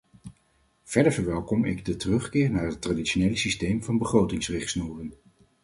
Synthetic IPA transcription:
v̥ɛɹdəɹvəɹʋɛlˠkɔmɪ̰ɡdətərɵχkɪːɹnaːɹɦətradiʃonejləsistejmvɑnbəχrowtɪŋsrɪχsnuːrən

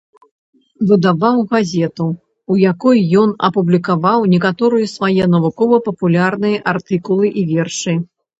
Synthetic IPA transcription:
vɨd̪avawɣazʲɛt̪uː | jakɔjːɔnɐ̰publʲikavawnʲɛkat̪ɔɾɨjɐsvajɛnɐvukɔvɐpɐpulʲarnɨjɐʔart̪ɨkulˠɨʔivʲɛrʂɨ

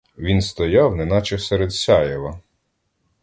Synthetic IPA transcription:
ʋʲinst̪ɔjɑwnɛnɑt͡ʃɛwsɛɾed̪sʲɑjɛʋɐ

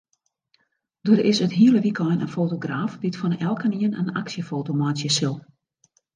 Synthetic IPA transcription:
d̥oəɾɪsətɦiələʋikʰɔjnə̰nfoːtoɡraːfbitfɔnɛlˠkəniənə̰na̰ksjəfoːtomasjəsɪlˠ

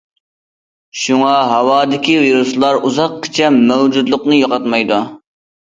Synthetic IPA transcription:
ʃuŋɑɦɑwɑːd̪ɪkʲiviɾuslˠɑɾuzɑqkʰɪ̥t͡ʃʰɛmːɛwd͡ʒud̪lˠʊqnɨjoqɑt̪mɑjd̪u

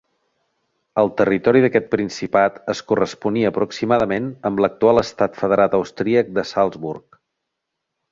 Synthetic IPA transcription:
əlˠt̪ərit̪ɔɾiðəkɛt̪̚pɾinsipat̪əskurəspuniəːpɾuksimaðəmenəmlək̚t̪ualˠəst̪at̪fəðəɾat̪əwst̪ɾiək̚d̪əsalˠzβurk̚

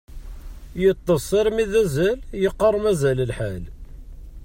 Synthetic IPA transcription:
jət̪ˤːɑsˤːəɾmiðæzæljəqːərˤmæzæləlħal

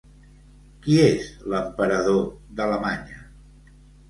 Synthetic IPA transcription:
kiezləmpəɾəðoðələmaɲə

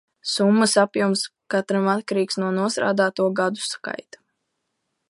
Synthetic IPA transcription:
sumːɐsapjumskat̪ɾamat̪̚kaɾiːksnuɔnuɔst̪ɾa̰ːd̪aːt̪uɔɡad̪u̥ska̰jt̪ḁ

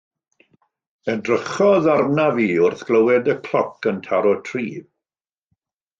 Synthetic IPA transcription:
ədrəχɔðarnaviːʊrθɡ̥ləwɛdəkʰl̥ˠɔkəntʰaɾɔtʰriːv

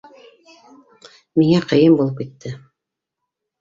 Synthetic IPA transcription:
miŋæqɤ̆jɤmbulˠɤp̚kit̪ʰːɘ

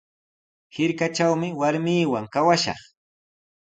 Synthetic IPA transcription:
hɪɾkat͡ʃawmɪwaɾmiːwaŋkawaʃɑ̰χ

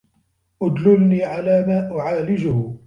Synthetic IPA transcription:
ʔʊd̪lɪlniːʕalaːmaːʔʊʕaːlɪd͡ʒʊh

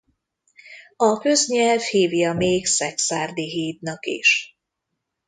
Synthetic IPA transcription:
ɒkøzɲɛlvhiːvjiɒmeːɡsɛksaːrd̪iɦiːd̪nɒkḭʃ

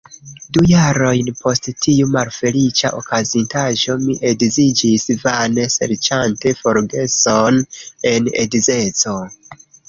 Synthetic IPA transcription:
dujaɾo̞jnpʰo̞sttʰiumalfe̞lit͡ʃa̰ʔo̰kazintaʒo̞miʔe̞dzid͡ʒisvane̞se̞̰ɾt͡ʃante̞fo̞ɾɡe̞so̞ne̞nḛdze̞t͡so̞

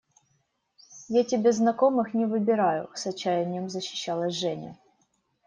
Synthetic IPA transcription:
jatʲɪbʲeznɐko̞mɨxnʲɪvɨbʲɪɾajʊ̰sɐt͡ɕːæjɪnʲɪjəmzəɕːɪ̥ɕːalˠəsʲʐɛnʲɪ̰

